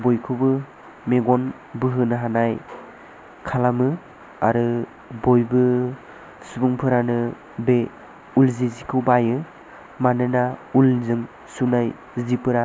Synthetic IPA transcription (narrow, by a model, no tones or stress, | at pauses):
bojkʰɯwbɯ | meɡɔn | bɯɦɯnɯɦanaj | kʰalamɯ | aɾɯ | bojbɯ | subuŋpʰɯɾanɯ | be | ulzizikʰɯwbajɯ | manɯnaulzɯŋ | sunaj | zipʰɯɾa